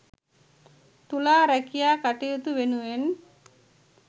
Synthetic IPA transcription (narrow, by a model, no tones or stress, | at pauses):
t̪ulaːɾækijaːkaʈijut̪uʋenuʋen